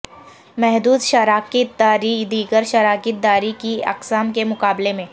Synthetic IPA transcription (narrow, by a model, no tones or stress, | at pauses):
mɛɦd̪uːd̪ʃəɾaːkɪt̪̚d̪aːɾid̪iːɡəɾʃəɾaːkɪt̪̚d̪aːɾikiɐ̰qsaːmkemʊqaːblemẽː